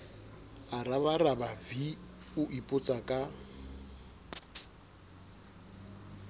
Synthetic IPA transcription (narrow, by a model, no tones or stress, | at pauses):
araβarabavi | ʊʔipʼʊt͡sʼakʼa